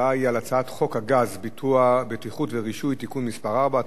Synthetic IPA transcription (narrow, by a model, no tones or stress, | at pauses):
aialat͡saat̪χo̞khaɡazbituabet̪iχutveʁiʃujt̪ikunmispaʁaʁba